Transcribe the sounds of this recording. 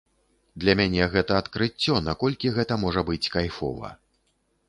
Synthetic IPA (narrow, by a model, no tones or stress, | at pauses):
d̪lʲɐmʲanʲɛɣɛt̪ɐːt̪kɾɨt͡sʲːɔnakɔlʲkʲiɣɛt̪ɐmɔʐɐbɨt͡sʲkajfɔ̰vɐ̰